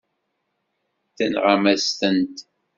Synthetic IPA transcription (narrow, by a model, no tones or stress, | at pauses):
θənʁamæst̪ənt̪